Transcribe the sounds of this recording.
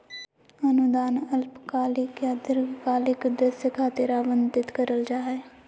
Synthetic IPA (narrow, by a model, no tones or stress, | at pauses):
ənʊd̪aːnəlpkaːlɪkjad̪ɪɾɡkaːlɪkd̪əsjəkʰaːt̪ɪɾaːbənd̪ɪt̪kəɾəld͡ʒaːɦɛː